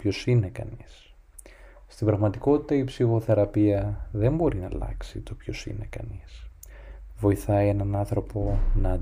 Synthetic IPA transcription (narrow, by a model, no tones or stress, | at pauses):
pço̞sine̞kɐ̰nis | st̪imbɾɐɣmɐt̪iko̞t̪i̥t̪ɐipsiɣo̞θe̞ɾɐpiɐðe̞mbo̞ɾinɐlɐ̰ksḭt̪o̞pço̞sḭne̞kɐ̰nis | vo̞iθɐie̞nɐnɐnθɾo̞po̞nɐː